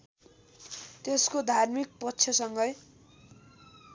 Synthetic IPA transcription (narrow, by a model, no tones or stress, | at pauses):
t̪eskod̪ʱarmik̚pʌt̪ːsʰjʌsʌŋɡʌj